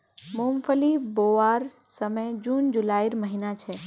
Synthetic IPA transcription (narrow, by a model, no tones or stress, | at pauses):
mumpʰəliboʋaɾsəməjd͡ʒund͡ʒulaːiɾməɦinat͡ʃʰɛ